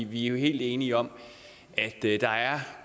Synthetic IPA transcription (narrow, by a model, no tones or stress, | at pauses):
iʋiæɐoɦe̝̰ːld̥e̝ːniɒ̽m̰ | ʔæd̥d̥ɑ̈æɐ